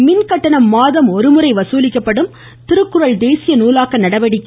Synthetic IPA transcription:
mɪnkɐʈːɐɳɐmːaːðɐmɔɾɯmɯɾɐɪʋɐsuːlɪkːɐpːɐɽɯm | t̪ɪɾɯkːɯɾɐɭd̪eːsɪjɐnuːlaːkɐnɐɽɐʋɐɽɪkː

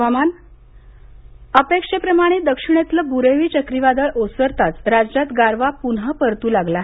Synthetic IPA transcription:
aman | əpekʂepɾəmaɽ̃ed̪əkʂiɳ̃et̪ləbuɾeʋiːt͡ɕəkɾiʋad̪əɭʔosəɾt̪at͡sɾad͡ʑd͡ʑat̪ɡaɾʋapunɦəpəɾt̪uːlaɡlaɦ

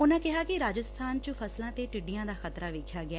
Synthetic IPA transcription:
ʊnãːkɪɦaːkɪɾaːd͡ʒəst̪ʰaːnt͡ʃəpʰəslãːt̪eːʈɪɖijãːd̪aːxət̪ɾaːʋɪkʰjaːɡɪɛː

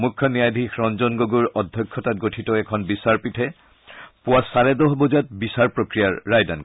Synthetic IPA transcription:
mukʰːɔnijadʱixɹɔnzɔnɡoɡuɹɔdʱjɔkʰːɔtat̚ɡotʰitɔɛkʰɔnbisaɹpitʰɛ | pʊwasaɹɛdɔɦbɔzat̚bisaɹpɹokɹijaɹːajda̰n

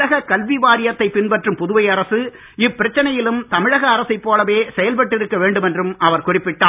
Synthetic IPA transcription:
ɐɣɐkɐlʋiʋaːɾɪjɐt̪ːɐɪpːɪnpɐʈrɯmpʊðʊʋɐɪɐɾɐsɯ | ɪpːɪɾɐt͡ʃːɐnɐjɪlɯmt̪ɐmɪɻɐɣɐːɾɐsɐɪpːoːlɐʋeːsɛjɐlpɐʈːɪɾɯkːɐʋeːɳɖɯmɛndrɯmɐʋɐɾkʊrɪpːɪʈːaː

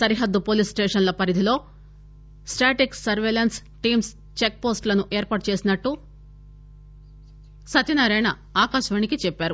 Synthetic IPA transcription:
sɐɾiɦɐd̪ːupoːliːsʈeːʂɐnlɐpɐɾid̪ʱilo̞ː | sʈaːʈiksɐɾʋeːlɐns | ʈiːms | t͡ʃek̚po̞ːsʈlɐnuʔeːɾpaːʈ̚t͡ʃe̞ːsinɐʈːu | sɐt̪inɐɾɛjɳɐ | aːkaːʃʋɐːɳikit͡ʃɛpːaːɾu

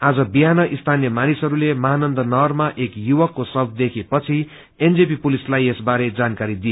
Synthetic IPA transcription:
ad͡zʌbiɦanʌʔist̪ʰanjʌmanisɦʌɾulemʌɦanʌnd̪ʌnʌrmaʔekjuwʌkːosʌbd̪ekʰepʌt͡sʰi | end͡zepipulislajesbaɾed͡zankaɾid̪ijo

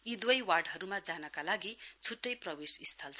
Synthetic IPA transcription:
id̪wʌjwarɖɦʌɾumad͡zanʌkalaɡit͡sʰuʈːʌjprʌwesist̪ʰʌlt͡sʰʌ

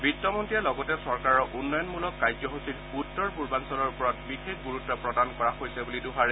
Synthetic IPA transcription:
bitːɔmɔntijalɔɡɔtɛsɔɹkaɹɔʔunːɔjɔnmulɔkːajzɔɦositutːɔɹpuɹbansɔlɔɹpɔɹatbixek̚ɡuɹutːɔpɹɔdankɔɹaxojsɛbuliduɦaɹɛ

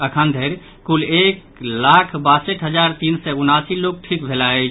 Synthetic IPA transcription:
əkʰənd̪ʱeɾ | kulek | lakʰbasəʈɦəd͡ʒaɾt̪insɛunasilok̚ʈʰik̚bʱelaɛ

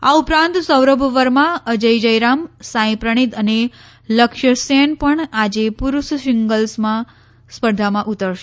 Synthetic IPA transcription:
aupɾãnt̪səwɾəbʱʋəɾmãəd͡ʒəjd͡ʒəjɾamsãĩpɾəɳ̃it̪əne | ləkʃəsenpəɳad͡ʒepuɾuʃʃɪŋɡəlsmã | spəɾd̪ʱamãʔut̪əɾʃe

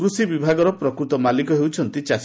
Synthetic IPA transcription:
ɾusibibʱaɡɔɾɔpɾɔkɾut̪ɔmalikɔɦewt͡ʃʰɔnt̪it͡ʃas

